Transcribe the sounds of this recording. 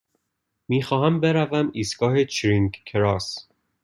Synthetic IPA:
miːxɒːɦæmbeɾævæmiːsɡɒːhet͡ʃʰɾiŋɡkʰɾɒs

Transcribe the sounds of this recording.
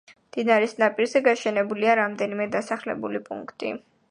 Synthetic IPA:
d̪̥inaɾisnapʼiɾzɛɡaʃɛnɛbuliaɾamd̪ɛnimɛd̪asaχlɛ̰bṵlipʼṵŋkʰt̪ʼḭ

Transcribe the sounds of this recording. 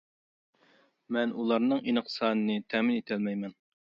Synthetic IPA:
mɛnulˠɑɾnɨŋʔinɨqsɑːnɨnɨt̪ʰɛmɪnit̪ʰɛlmɛjmɛn

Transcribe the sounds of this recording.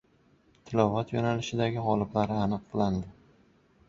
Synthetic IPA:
t̪ʰɪlɒvat̪jonalɪʃɪd̪aɡʲɪʁɒlˠɪblaɾɪanɨq̚bɪlˠand̪ɪ

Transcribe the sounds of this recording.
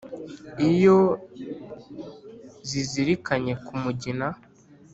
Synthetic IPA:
ijo | ziziɾikaɲe̞kumuɟina

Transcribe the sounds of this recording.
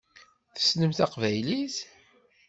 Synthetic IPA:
θə̥snəmθæqvæjlis

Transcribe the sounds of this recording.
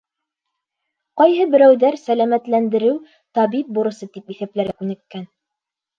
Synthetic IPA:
qɑjɦɤbɘ̆ɾæwðæɾsælæmæt̪lænd̪ɘ̆ɾɘw | t̪ɑβip̚buɾɤ̆sɤt̪ipiθæplæɾɡækʉnɘ̆kːæn

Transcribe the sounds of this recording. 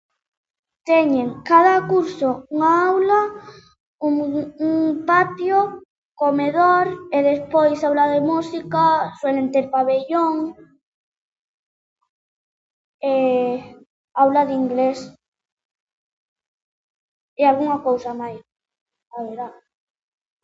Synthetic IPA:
t̪eɲẽŋkað̞akuɾsouŋaawla | uŋuŋpat̪jo | komeðoɾeðespojsawlaðemusikaswelent̪eɾpaβeʎoŋ | e | awlaðiŋɡles | ealɣuŋakowsamajs | aβeɾða

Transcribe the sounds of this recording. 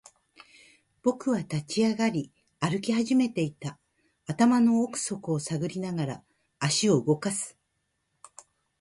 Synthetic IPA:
b̥o̞kɯ̟βat̪at͡ɕiaɡaɾʲi | aɾɯ̟kʲihaʑime̞t̪e̞it̪aː | t̪amano̞ːkɯ̟̥so̞kɯ̟o̞saɡɯ̟ɾʲinaɡaɾaː | ɕio̞ɯ̟ɡo̞kasɨ̥

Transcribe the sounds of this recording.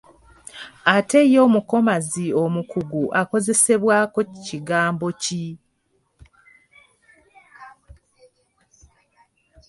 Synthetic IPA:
ate̞jo̞ːmuko̞mazio̞mukuɡuʔako̞ze̞se̞βwaːko̞ciɡaːmbo̞ci

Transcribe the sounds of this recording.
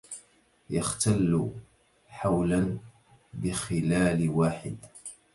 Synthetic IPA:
jaxt̪alː | ħawlan | bɪxɪlaːlwaːħɪd̪

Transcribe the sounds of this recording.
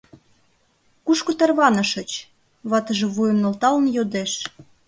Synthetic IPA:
kuʃkot̪ɑrβɑnə̆ʃə̆t͡ɕ | βɑt̪əʒĕβujə̆mnolt̪ɑlə̆njod̪eʃ

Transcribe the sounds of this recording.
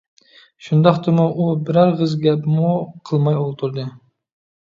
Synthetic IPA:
ʃʊnd̪ɑχt̪ɨmuʔubɪɾɑɾʁəzɡʲɛpmuqʰəlˠmɑjolˠt̪ʰuɾd̪ɨ

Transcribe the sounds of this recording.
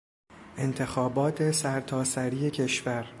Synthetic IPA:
ʔe̞nt̪ʰe̞xɒːbɒːt̪ʰe̞sæɾt̪ʰɒːsæɾiːe̞cʰe̞ʃvæɾ

